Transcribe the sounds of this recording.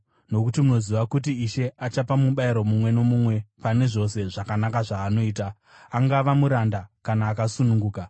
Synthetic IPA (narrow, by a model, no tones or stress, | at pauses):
no̞kutimuno̞ziʋakut̬iiʃe̞ʔat͡ʃapamuɓaiɾo̞mumwe̞no̞mumwe̞pane̞ʐo̞se̞ʐakanakaʐaːno̞iːtaː | ŋɡaʋamuɾandakanaːkasunuŋɡuːka